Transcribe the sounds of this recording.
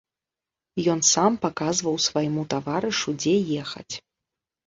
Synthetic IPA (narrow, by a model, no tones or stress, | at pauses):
jɔnsampakazvɐwsvajmut̪avaɾɨʂud͡zʲɛjɛxɐ̰t͡sʲ